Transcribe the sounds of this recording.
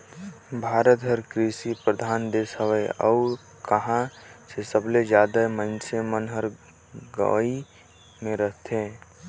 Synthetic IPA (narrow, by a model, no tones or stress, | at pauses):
bʱaːɾət̪ɦəɾkɾisipɾəd̪ʱaːnd̪esɦəʋəeə̰ː | kəɦãsesəbled͡ʒjaːd̪əmənsemənɦəɾ | ɡə̰i | mẽɾəɦt̪ɦẽː